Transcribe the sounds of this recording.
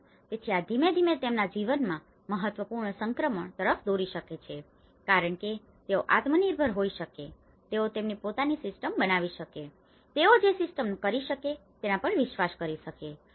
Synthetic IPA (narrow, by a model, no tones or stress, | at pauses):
pet͡ʃʰiad̪ʱimed̪ʱimet̪emnad͡ʒiʋənmã | məɦət̪ʋəpuɾɳəsəŋkɾəməɳt̪əɾəfd̪oɾiʃəket͡ʃʰe | kaɾəɳke | t̪eoʔat̪məniɾbʱəɾɦoiʃəke | t̪eot̪emnipot̪anisɪsʈəmbənaʋiʃəke | t̪eod͡ʒesɪsʈəmkəɾiʃəket̪enapəɳʋɪʃʋaskəɾiʃəke